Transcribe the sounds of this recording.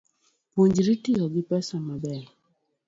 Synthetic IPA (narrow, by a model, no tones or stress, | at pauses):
puɲd͡ʒɾitiɔɡɪpɛsamabɛ